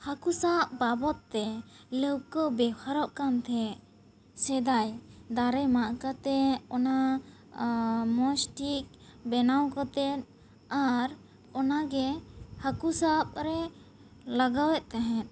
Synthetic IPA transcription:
hakusap̚babɔt̪̚ːɛləwkɔbɛhʰaɾɔʔkamt̪ʰɛ | sɛd̪ajd̪aɾɛmaʔkat̪ɛɔna | mɔsʈik̚bɛnawkɔt̪ɛt̪̚ | aɾ | ɔnaɡɛhakusap̚ɾɛ | laɡawɛʔ̪̚ˀt̪ɛɦɛ̃t̪̚ˀ

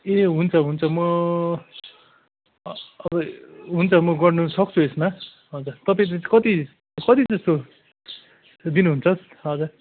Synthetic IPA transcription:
eɦunt͡sʰʌɦunt͡sʰʌmʌ | ʌbʌɦunt͡sʰʌmʌɡʌrnusʌk̚t͡sʰuesma | ɦʌd͡zuɾt̪ʌp̬ãj̃t͡skʌt̪i | kʌt̪id͡zʌst̪o | d̪inuɦunt͡sʰʌs | ɦʌd͡zur

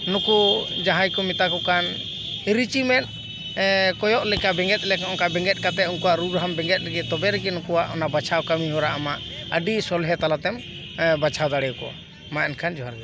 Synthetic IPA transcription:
nukud͡ʒaɦajkɔmit̪akɔkan | iɾit͡ʃimɛt̪̚ | kɔjɔʔlɛkabɛ̃ŋɡɛt̪̚ˀlɛkɔnkabɛŋɡɛt̪̚ˀkat̪ɛunkɔwaʔɾuɾɦambɛŋɡɛt̪̚ɾɛɡɛt̪ɔbɛɾɛɡɛnukuwaʔɔnabat͡ʃʰawkamiɦɔɾaʔamaʔ | əɖisɔlɦɛt̪alat̪ɛm | bat͡ʃʰawd̪aɽɛjɔkɔ̰ | maʔɛnkʰand͡ʒɔɦaɾɡɛ

